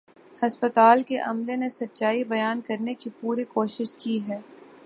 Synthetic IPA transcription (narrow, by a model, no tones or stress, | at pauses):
hɐspət̪aːlkeʔɐmlenesɐtːʃaːibɐjaːnkɐɾnekipuːɾikoːʃɪʃkiɦɛː